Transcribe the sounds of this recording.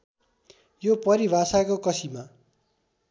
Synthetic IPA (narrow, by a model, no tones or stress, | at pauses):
jopʌɾibʱasakokʌsima